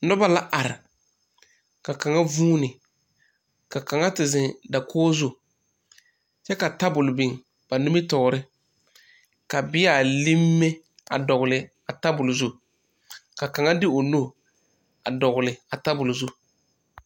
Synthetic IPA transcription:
nɔ˦ba˦la˦ʔa˨ɾɪ̰˨ | ka˨ka˨ŋa˦vuː˦nɪ˨ | ka˨ka˨ŋa˦tɪ˨zɪ˨nda˨kʰɔː˦zʊ˦ | t͡ʃɛ˦ka˨ta˦bʊ˨lʊ˨bɪ˨ŋ | b̥a˨nu˦mɪ˦tɔ˨ɾɪ˦ | ka˨bɪ˦a˨li˦mːe˦ | a̰˨dɔ˨ɣʊ˨lɪ˨ | a˨ta˦bʊ˨lzu˦ | ka˨ka˨ŋa˦dɪ˦o˨no˦˨ | a˨dɔ˨ɣʊ˨lɪ˨a˨ta˦bʊ˨lʊ˨zu˦

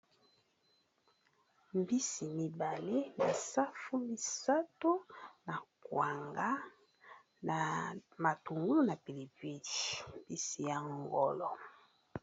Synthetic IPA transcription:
m˦bi˦si˨mi˨ba˨le˦ni˨sa˦fu˦mi˨sa˦to˦na˨kwa˨ŋɡa˦ | n˨ma˨tu˨ŋɡu˦lu˦na˨pi˨li˨vi˦˨ʃmbi˦si˨ja˨ŋɡɔ̰˨lɔ˨

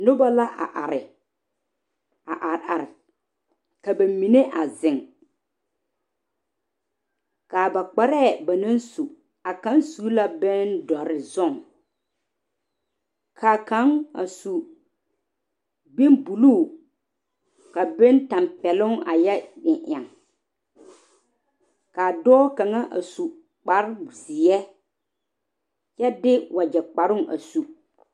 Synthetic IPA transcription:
nʊ˦ba˦la˦ʔa̰˨ʔa˨ɾɪ˨ | a˨ʔa˨ɾʔa˨ɾɪ˨ | ka˨ba˨mi˨ne˦ʔa˨zɪ˨ŋ | kaː˨ba˨k͡pa˨ɾɛ˦˨ba˨na˦nsu˨ | a˨ka˨˦nsu˨˦la˦bɛ˦ndɔ˨ɾɪ˨zɔ˦˨ŋ | kʰa˨ka˨˦ŋa̰˨su˨ | be˦nbu˨lu˦˨ | ka˨be˦nta˨mpɛ˨lʊ˦ŋa̰˨jɛ˦ɗɪ˨ʔa˨ŋ | kaː˨dɔː˦ka˨ŋa˦ʔa̰˨su˨ | k͡pa˦ɾzi˨ɛ˦ | jɛ˦dɪ˦wa˨d͡ʒɛ˨k͡pa˨ɾʊ˦˨ŋʔa̰˨su˨

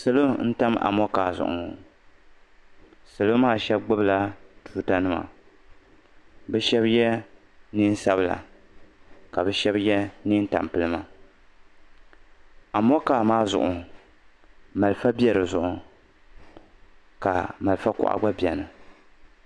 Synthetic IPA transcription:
sɨ˨lo˦n̩˦ta˦ma̰˨mɔ˦kaː˨zʊ̰˨ʔʊ̰˨ | sɨ˨lo˦maː˦˨ʃɛ˦bɡ͡bɨ˦bla˦tu˦ta˦nɨ˦ma̰˨ | bɛ˦ʃɛ˦bjɛ˦ | ni˦n˦sa˦bla̰˨ | ka˨bɛ˦ʃɛ˦bjɛ˦ni˦n˦ta̰˨m˨pɨ˦lɨ˦ma˦ | a˨mɔ˦kaː˨maː˦zʊ̰˨ʔʊ˨ | ma˨lɨ˨fa˦bi˦ɛ˨ɾɨ˨zʊ˨ʔʊ˨ | ka̰˨ma˨lfa˦kʊ̰˨ʔa̰˨ɡ͡ba˦bi˨ɛ˨nɨ˨

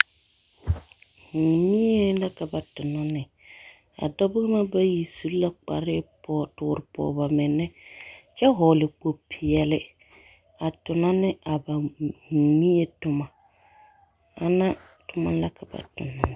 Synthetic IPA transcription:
h̩˨mi˦je˦la˦ka˨ba˨tʊ˨nɔ˦nɪ˨ | a̰˨dɔ˦bɪ˦ɣma˦ba˦ji˨su˨lla˦k͡pa̰˨ɾɪ˦pɔː˦˨tʊ˨˦˨ɾɪ˨pɔ̰ː˨ba˨mɪ˨nːɛ˦t͡ʃɛ˦ɦɔː˨lɪ˨k͡po˨pʰɪ˨ɛ˨lɪ˦ | a˨tʊ˨na˦nɪ˦ʔa˨ba˨ŋ̩˨mi˦e˦tʊ˦ma˨ | a˨na˦ | tʊ˦ma˦la˦ka˨ba̰˨tʊ̰˨na˦nɪ˨

